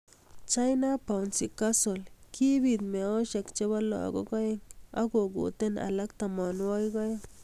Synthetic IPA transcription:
t͡ʃa˦jna˦pa˨wnsi˨ka˦so˨lkʰi˦bi˨d̪me˨o˦ʃa˨kt͡ʃe˦ba˦la̰˨ɡo̰˦ɡa˦je˦ŋa̰˦ɡo˨ɡṵ˨t̪e˦na̰˨la˦k̚t̪a˨ma˨nwa˦jɡa˦j

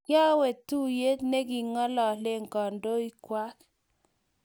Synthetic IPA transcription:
kja˦we˨tːu˦je˦tne˦ɡi˨ŋɔ˦lɔ˨le˦ŋ˨kɔ˨ndo˦i˦kwa˦k

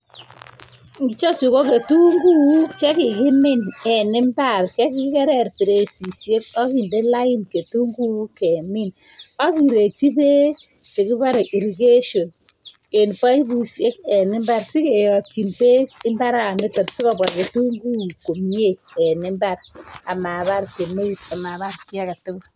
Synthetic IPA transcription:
ŋɡɪ˦t͡ʃɔ˦t͡ʃu˨ko˦ke˨tu˦ŋɡu˦t͡ʃɛ˦kɪ˨kɪ˦mɪ˦nɛ˨nɪ˦mba˦˨ɾkɛ˦ki˦kɛ˦ɾɛ˨ɾpi˨ɾe˨si˨sje˦kɔ˦ki˨nde˦la˦ɪ˦nke˨tu˦ŋɡu˦kɛ˨mɪ˦˨n | a˦ki˨ɾe˨t͡ʃi˦pe˦ | t͡ʃe˨kɪ˦ba˦ɾi˨ɾi˨ke˦ʃo˨n | ke˨npa˦i˦bu˨si˦e˦kɛ˨nɪ˦mba˦ɾsɪ˦ke˨jɔ˨ki˨npe˦ɪ˦mba˦ɾa˨ne˦tɔ˨psɪ˦kɔ˨bɔ˨ɾke˨tu˦ŋɡu˦ko˨mi˦e˦ɛ˨nɪ˦mba˦ɾa˨ma˨ba˦ɾke˨me˦˨˦ta˨ma˨ba˦ɾkɪ˦a˦ka˨tɪ˦b

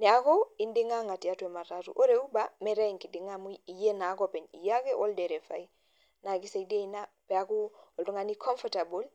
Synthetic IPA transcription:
ni˨a˨kɔ˦i˨ndi˦ŋa˦ŋa˨ti˨a˦tu˦e˨ma˨ɾatṵ˨ʔo˦ɾeu˦bamɛ˨ɾe˦ŋki˨di˨ŋamu˦i˨je˦na˨˦kɔpɛ˨nḭ˨ja˦ke˦ʔɔ˦lde˨ɾe˨fa̰˨i | na˨kisede˦ina | pɛ˨aku˦ɔ˨ltu˦ŋa˨ni˦kʰɔ˦ɱfɔtabo˦l

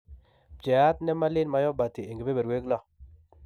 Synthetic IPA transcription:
pɛ˨a˦tnɛ˦ma˦lɪ˦nma˦jɔ˦ba˨ti˨e˨ŋɡe˨be˦be˨ɾwe˦klɔ˦˨

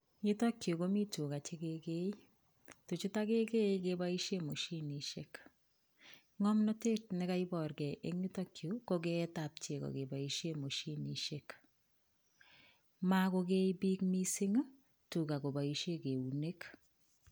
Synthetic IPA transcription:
ɲɪ˦tɔ˦kjo˨ko˦mi˦tu˨ka˨t͡ʃe˦ke˦ke˦i˦ | tu˨t͡ʃu˦ta˦ke˦ke˦ke˨ba˦i˦ʃje˦mo˨ʃi˦ni˨ʃe˦k | ŋɔ˦mnɔ˦te˦tnɪ˨ka˦ibɔ˨rkɛ˨ʔe˦ŋi˦tɔ˦kjo˨ko˦ke˦ta˨p̚t͡ʃe˨kɔ̰˨ke˨ba˨i˦ʃe˦mo˨ʃi˦ni˨ʃe˦k | ma˦ko˦ke˦ibi˦k̚mi˦si˦ŋ˦ | tu˨ka˨ko˨ba˨i˨ʃe˦ke˨u˨ne˦k

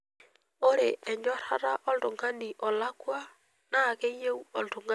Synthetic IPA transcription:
o˦ɾeʔɛ˨ɲɔ˦ɾa˦ɾaʔɔ˦lɾo˨ŋɡa˦niʔɔ˨la˦kwa˦ | naː˦˨ke˦ɲe˦u˦ɔ˨ltu˨ŋɡa˦

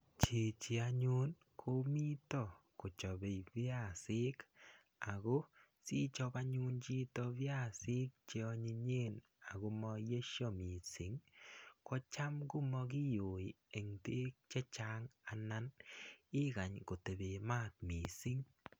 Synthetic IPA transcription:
t͡ʃi˨t͡ʃi˨a˨ɲu˦n | kʰo˦mi˦tɔ˨ko˨t͡ʃɔ˨be˨jβja˦˨sɪ˦k | a˨ɣo˦ | si˦t͡ʃɔ˦ba˦ɲu˦nt͡ʃi˦tɔ˦βja˦si˦k̚t͡ʃe˦ɔ˦ɲi˧ɲe˦n | a˨ɡu˨˦mɔ˧je˦ʃɔ˦mi˨si˨˦ŋkɔ˦t͡ʃa˦mɡu˦mɔ˦ki˦jo˨i˨e˨ŋte˦k̚t͡ʃɛ˦t͡ʃa˦ŋa˨na˦nɪ˦ɡa˨ɲko˨te˨be˨ma˦˨k̚mi˨si˦ŋ

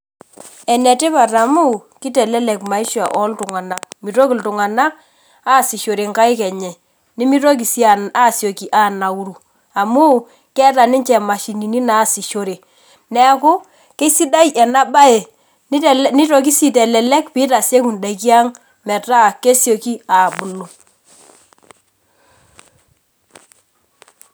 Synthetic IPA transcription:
ɛ˨nɛ˨te˦pa˨ta˨mu˦ki˦tɛ˨lɛ˦lɛ˨kma˨i˦ʃa̰˨ʔɔ˦ltʊ˨ŋa˨na˨k̚mi˨to˦ki˨ltʊ˨ŋa˨na˦k | aː˦˨si˨ʃo˨ɾe˨ŋka˦ɪ˦kɛ˨ɲɛ˨ | ni˦mi˦to˦k̬i˨si˦a˨na˦˨sjo˨ki˦ʔa˦˨na˨u˦ɾu˨ | a˨mu˦ | kɛ˦ta˨nɪ˦nt͡ʃɛ˨ma˨ʃi˨ni˨ni˦na˨˦˨si˨ʃo˨ɾe˨ | nɛ˨˦kʊ˦ | ke˦si˦da˦jʔɛ˨na˦ba˦e˨˦ | ni˦to˨k̬i˦si˨tɛ˨lɛ˨lɛ˦kpi˦ta˨se˦ku˨nda˨ki˦a˦ŋ | mɛ˨ta˦˨ke˦sjo˨ki˦a˨bʊ˨lu˨

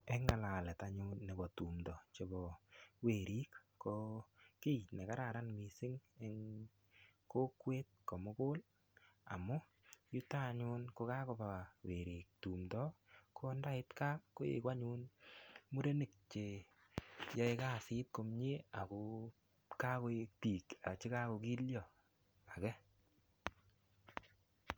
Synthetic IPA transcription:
ɛ˦ŋa˨la˨lɛ˨ta˨ɲʊ˦nːe˨bɔ˨tu˨mdɔ˨t͡ʃe˨bɔ˨we˨ɾi˦kːo˧ki˦ne˨ka˦ɾa˨ɾa˦nmi˨sɪ˦ŋe˦ŋ | ko˦kwe˦t̪̚kɔ˨mʊ˦kʊ˦l | a̰˨mʊ˦ | ju˦ta˦˨ɲʊ˦nko˧ka˦ko˧ba˨we˨ɾi˨k̚tu˨mdɔ˦ko˦nda˦ɪ˦t̪ka˦ko˦ḛ˨kwa˦ɲu˦nmu˦ɾe˦ne˨k̚t͡ʃe˨ | jɔ˦e˦ka˦˨sɪ˦t̚ko˧mɲe˦a˨ko˨ | ka˦ko˧˦k̚pi˨ka̰˨t͡ʃɪ˦ka˦ko˧ki˦ljɔ˨ | a˨kɛ˦

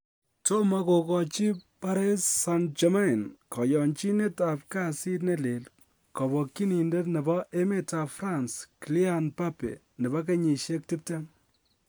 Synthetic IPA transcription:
to˦ma˦ko˨kɔ˨t͡ʃi˦pa˦ɾe˦sːand͡ʒɔma˦˨nkɔ˨jɔ˨nt͡ʃi˦ne˦ta˨p̚ka˦si˦tnɛ˦le˨l | kɔ˨bɔ˨kːi˦ni˨nde˦tnɛ˨bɔ˦ʔe˦me˦ta˨fɾa˨nskli˦anpa˦pḛ˨ | nɛ˨bɔ˦k̬e˦ɲi˨ʃe˦k̚ti˦p̚tɛ˦ŋ

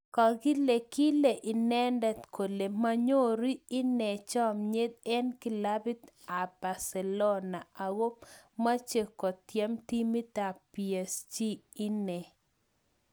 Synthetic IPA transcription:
kɔ˨ɡɪ˦le˨kɪ˦le˨ʔi˨nɛ˦ndɛ˦t̪kʰo˨le˨ma˦ɲo˦ɾi˦ɪ˦nɛ˨t͡ʃɔ˦mɲe˦d̪̚ɛ˦nkɪ˨la˦bi˦t̪ | a˨b̥a˨sɛ˨lo˦na˨a˨wo˦p̚ma˦t͡ʃe˨kɔ˨tjɛ˦mti˦mi˦ta˨pie˨st͡ʃi˦i˦nɛ˨

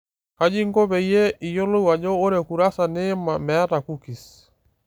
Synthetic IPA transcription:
ka˦d͡ʒi˦ŋɡɔ˦βɛ˨ijɛ˦i˨jo˦lo˦iwa˨d͡ʒɔ˦o˦ɾɛ˨ku˨ɾa˦sa˨ne˦ma˨mɛ˦a˦ta˨ku˦ki˨s

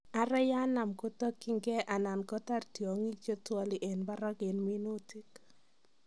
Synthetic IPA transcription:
a˨ɾɛ˦ja˦na˨mko˦tɔ˦ki˦ŋɡɛ˦ʔa˨na˨nkɔ˦ta˦˨rtjo˨ŋi˦k̚t͡ʃo˦tɔ˦li˨ʔɛ˨nba˦ɾɔ˦ɡɪ˨nmi˦no˦ti˦k

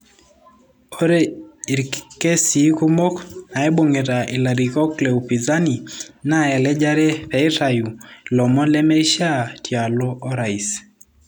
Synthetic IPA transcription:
ɔ˦ɾɛ˦i˨ɾkkɛ˦si˨˦ku˦mo˦kna˨ɛ˦ɓo˨ŋe˨ɾa˨ʔi˨la˨ɾi˨kɔ˦klɛ˨u˨pi˨za˦ni˨na˦˨ɛ˨lɛ˦d͡ʒa˦ɾɛ˦pɛ˨i˦ɾa˨ju˨lɔ˨mɔ˦lɛ˦mɛ˦ʃa˦tʰja˨lɔ˦ʔɔ˦ɾa˨i˨s

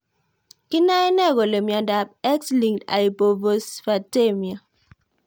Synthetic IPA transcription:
kɪ˦na˦i˦nɛ˦˨ɡo˨le˨mja˨da˨p̚ɛ˦ksli˨ŋda̰˨i˨bo˨vo˨sfa˨te˦˨mja˨

